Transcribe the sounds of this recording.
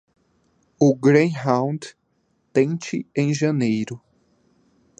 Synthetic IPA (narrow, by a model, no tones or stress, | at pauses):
ʊɡɾẽjɦãw̃d̪ | t̪ẽt͡ʃɪẽj̃ʒɐnejɾʊ